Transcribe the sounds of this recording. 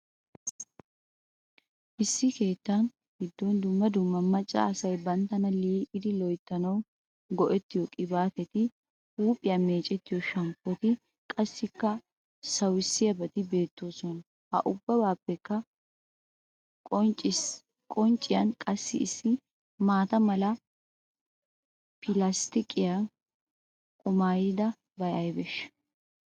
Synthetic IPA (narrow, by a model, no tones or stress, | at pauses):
ʔɪsːɪke̞ːt̪ːɐn | ɡɪd̪ːɔnd̪ʊmːɐd̪ʊmːɐmɐt͡ʃʼːa̰ːsɐjbɐnt̪ːɐnɐliːʔɪd̪ɪlɔjt̪ːɐnɐw | ɡɔʔɛt̪ːɪjɔkʼɪbaːt̪ɛt̪ɪ | uːpʼːɪjɐme̞ːt͡ʃʼɛt̪ːɪjɔʃɐmpːɔt̪ɪ | kʼɐsːɪkːɐ | sɐwɪsːɪjɐbɐt̪ɪbe̞ːt̪ːoːsɔnɐ | hɐ̰ʔʊbːɐbaːpːɛkːɐ | ɔt͡ʃʼɪ | kʼɔnt͡ʃʼːɪjɐnkʼɐsːɪɪsːɪ | maːt̪ɐmɐlɐ | pɪlɐst̪ɪkʼɪjɐn | kʼʊmaːjɪd̪ɐ | bɐjɐjbɛʃː